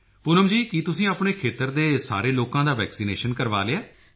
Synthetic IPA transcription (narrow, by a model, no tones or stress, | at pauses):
pʊnəmd͡ʒiːkit̪ʊsĩːaːpɳeːkʰeːt̪əɾd̪eːsa̰ːɾeːloːkãːd̪aːʋɛːksiːneːʃənkəɾʋa̰ːleaː